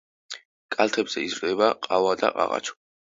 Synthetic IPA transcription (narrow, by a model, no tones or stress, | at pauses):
kʼalˠt̪ʰɛbz̥ɛizɾd̪ɛbaqʼavad̪a̰qʼa̰ʁa̰t͡ʃʰɔ̥